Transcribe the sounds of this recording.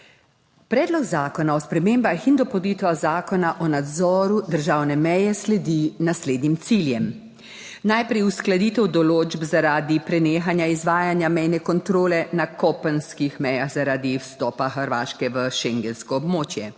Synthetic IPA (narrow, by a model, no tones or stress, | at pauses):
pɾɛːd̪lɔɡzaːkɔnaɔspɾɛmeːmbaxind̪ɔpɔd̪iːt̪ʋaɣzaːkɔnaʔɔnad̪zɔːɾud̪əɾʒaːwnɛmɛjɛslɛd̪inasleːd̪nimt̪siljɛm | najpɾɛjusklad̪iːt̪ɛwd̪ɔloːd͡ʒbzaɾaːd̪ipɾɛneːxanjaizʋaːjanjamɛjnɛkɔnt̪ɾoːlɛnakɔpənskixmɛjaxzaɾaːd̪iwst̪ɔːpaxəɾʋaːʃkɛʋəʃeŋɡɛnskɔɔbmoːt͡ʃjɛ